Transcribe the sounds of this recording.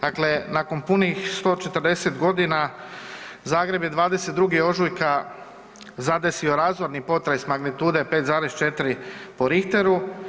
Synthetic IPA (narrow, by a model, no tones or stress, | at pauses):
d̪̥akle̞nako̞npunixst̪o̞ːt͡ʃet̪əɾd̪e̞se̞t̪ɡo̞d̪ina | zaːɡɾe̞bje̞d̪ʋaːd̪e̞se̞t̪ɾuɡio̞ʒujka | zad̪e̞sio̞ɾaːzʋoɾnipo̞t̪ɾajsmaɡnit̪uːd̪epe̞ːt̪zaːɾest͡ʃe̞t̪ɾipo̞ɾixt̪e̞ɾu